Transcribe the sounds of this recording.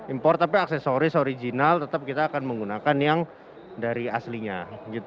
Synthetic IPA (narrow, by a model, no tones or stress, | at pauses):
impɔrt̪apiaksesoɾisoɾid͡ʒinalt̪ət̪ap̚kit̪aːkanməŋɡunakanjaŋ | daɾiasliɲad͡ʒit̪